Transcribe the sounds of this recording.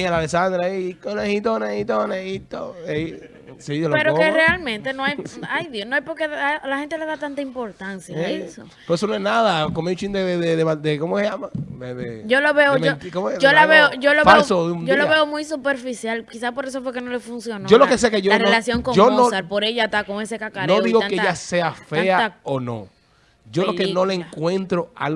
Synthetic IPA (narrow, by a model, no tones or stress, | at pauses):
ialalesand̪ɾaikonehit̪oneit̪onehit̪oei | siolopeɾoerealmẽnt̪enoajajðjonoajpoɾkeðalahe̞nt̪eleðat̪ant̪aimpo̞ɾt̪ansjaeeso̰ | poɾesonoeɦnaðakomeũt͡ʃĩnd̪eeðeðemad̪ekomoseʝamadeðed͡ʒoloβeomeot̪ikomd͡ʒolaβeoʝoloβeasoðuoloβeomujsupe̞ɾfisjalkisaspo̞ɾesofwekeno̞lefunsjo̞noolokesekeʝolarelasjoŋkoomnosalpo̞ɾe̞ʝat̪akoŋese̞kakaɾnoðiɣonkeeʝase̞afe̞aonõ̰ | ʝolokenoleeŋkwẽ̞nt̪ɾoa̰l